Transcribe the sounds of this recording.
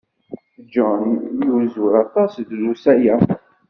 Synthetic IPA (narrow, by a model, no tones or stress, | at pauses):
d͡ʒɔnjuzuɾɑt̪ˤɑsðlusæjæ